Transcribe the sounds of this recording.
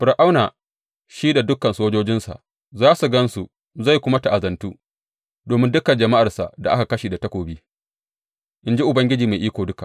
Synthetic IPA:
ɸɪ˨ɾʔa˦wnaː˨ | ʃiː˦da˨dʊ˦kːɐ˨nsoː˦d͡ʒoː˦d͡ʒɪ˦nsa̰˨ʔ | zaː˦su˨ɡɐ˦nsu˨ | za˦˨jkʷʊ˦ma˦ta˨ʔa˨zɐ˨ntuː˦ | doː˨mɪ˦ndʊ˦kɐ˨nd͡ʒɐ˨ma˦ʔa˨rsa̰˨ʔda˨ʔa̰˦ka˨kɐ˦ʃiː˨da˨tɐ˦kʷoː˨biː˦ | ʔɪ˨nd͡ʒi˦ʔʊ˨bɐ˦ŋɡʲɪ˦d͡ʒiː˨ma˨ʔiː˦kʷoː˨dʊ˦ka˨ʔ

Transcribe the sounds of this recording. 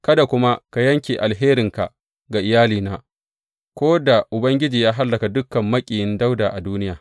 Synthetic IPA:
kɐ˦da˨kʷʊ˦ma˦ka˨jɐ˦ŋkʲeː˨ʔa˨lɦeː˦ɾɪ˨ŋka̰˨ʔ | ɡa˨ʔɪ˨jaː˦liː˨naː˨ | kʷoː˦da˨ʔʊ˨bɐ˦ŋɡʲɪ˦d͡ʒiː˨jaː˦ɦa˦lːɐ˨ka˨dʊ˦kːɐ˨mːɐ˦kʲʼiː˨jɪ˦nda˦wdaː˨ʔa˨duː˦nɪ˦jaː˨

